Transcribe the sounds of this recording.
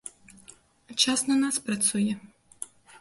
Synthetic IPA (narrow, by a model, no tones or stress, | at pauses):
t͡ʃasnɐnaspɾɐt̪sujɛ